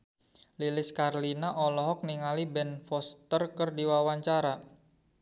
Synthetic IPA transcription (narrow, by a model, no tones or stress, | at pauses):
lilɪskarlinaʔɔlɔɦɔk̚niŋalibɛnfɔst̪ərkərdiwawaɲt͡ʃaɾa